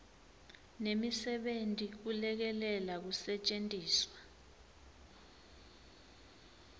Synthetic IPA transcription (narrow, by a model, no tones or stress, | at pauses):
nemisɛɓentʼik̬ulɛk̬ɛlɛlak̬usɛt͡ʃʼentʼiːswa